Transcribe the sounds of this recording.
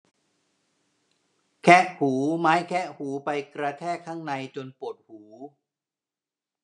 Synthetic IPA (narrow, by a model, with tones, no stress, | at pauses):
kʰɛ˦˥ʔhuː˩˦maː˦˥jkʰɛ˦˥ʔhuː˩˦pa˧jkɾa˧t̪ʰɛː˥˩kʰːaː˥˩ŋna˧jt͡ɕo˧npo˨˩t̪̚huː˩˦